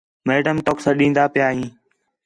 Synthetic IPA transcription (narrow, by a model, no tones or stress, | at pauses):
meːɖəmʈ̪oːksãːɗĩːnd̪aːpɪjaːɦĩː